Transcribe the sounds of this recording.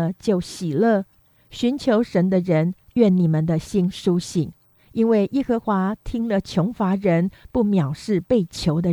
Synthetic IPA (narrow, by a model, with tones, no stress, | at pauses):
t͡ɕjo˥˩ʊɕi˨˩lə˥˩ | ɕy˧˥nt͡ɕʰjo˧˥ʊʂə˧˥nd̪ə˧ɻə˧˥nɥɛ˥˩nni˨˩mə˨nd̪ə˨ɕi˥nʂu˥ɕi˨˩ŋ | i˥nwe˥˩ɪʔi˥xɤ˧˥xwa˧˥t̪ʰi˥ŋlə˨t͡ɕʰjo˧˥ŋfa˧˥ɻə˧˥npu˥˩mjɑ˨˩ʊʂɻ̩˥˧pe˥˩ɪt͡ɕʰjo˧˥ʊd̪ə˧